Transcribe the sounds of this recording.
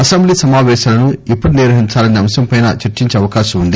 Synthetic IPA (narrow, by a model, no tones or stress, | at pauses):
ɐsɐmbliːsɐmaːʋɛːʃaːlɐnuipːuɽuniɾʋɐɦiɲt͡ʃaːlɐniɐmsɐmpɐjnɐ̰t͡ʃɐɾt͡ʃiɲt͡ʃeɐʋɐkaːʃɐmund̪i